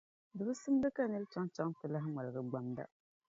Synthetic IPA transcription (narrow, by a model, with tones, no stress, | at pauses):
dɨ˨bɨ˦sɨ˦m˦bɨ˦ka˦nɨ˦lt͡ʃa˦ŋt͡ʃa˦ŋtɨ˨la˦ɦɪ˦ma˨lɨ˨ɡɨ˦ɡ͡ba˦mda̰˦